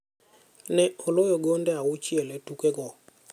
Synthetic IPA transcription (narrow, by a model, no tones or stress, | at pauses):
nɛɔlojoɡondɛawʊt͡ʃielɛtukeɡɔ